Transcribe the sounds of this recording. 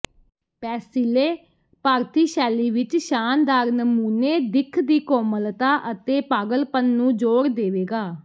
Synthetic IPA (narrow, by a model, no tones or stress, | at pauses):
pɛːsileː | paːɾt̪iːʃɛːliːʋɪt͡ʃʃaːnd̪aːɾnəmuːneːd̪ɪkʰd̪iːkoːməlt̪aːʔət̪eːpaːɡəlpənːũːd͡ʒoːɾd̪eːʋeːɡaː